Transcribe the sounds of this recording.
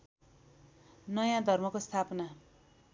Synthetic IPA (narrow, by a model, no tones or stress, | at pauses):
nʌjãd̪ʱʌrmʌkost̪ʰapna